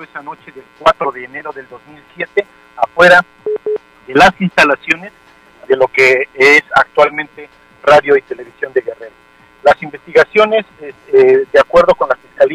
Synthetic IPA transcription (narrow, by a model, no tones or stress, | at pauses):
esano̞t͡ʃe̞ðelkwat̪ɾo̞ðe̞ːne̞ɾo̞ðe̞ld̪o̞zmilsje̞t̪e̞ | afwe̞ɾa | ðe̞lasinst̪alasjo̞ne̞z | ðe̞lo̞ke̞esa̰k̚t̪walmẽnt̪e | raðjo̞it̪e̞le̞β̞isjo̞nd̪eɣereɾ | lasimbe̞st̪iɣasjo̞ne̞zeed̪eakwe̞ɾð̞o̞ko̞nlasfiskali